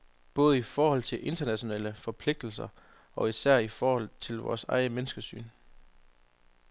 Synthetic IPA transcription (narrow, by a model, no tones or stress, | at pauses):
b̥ɔ̽ːð̞̩ˠəifɒːhɒ̽l̰t͡sʰe̝lʔe̝nd̥ɐnæɕo̝nɛ̰ːləfɒ̽pʰle̝ɡ̥̚d̥l̩sɐ | ɒ̽isæɐ̰ifɒːhɒ̽l̰t͡sʰe̝lʋɒ̰ːsɑ̈ɪəmenəsɡ̥əsy̰ːn